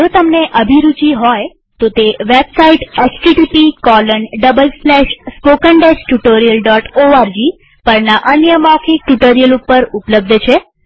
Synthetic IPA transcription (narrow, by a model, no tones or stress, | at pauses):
d͡ʒot̪əmneʔəbʱiɾut͡ʃiɦɔj | t̪ot̪eʋebsaiʈet͡ʃʈiʈipikɔləɳɖəbəlslɛʃspokəɳɖesʈuʈoɾijəlɖɔʈoaɾd͡ʒi | pəɾnaʔənjəmɔkʰik̚ʈuʈoɾijəlupːəɾupləb̚d̪t͡ʃʰe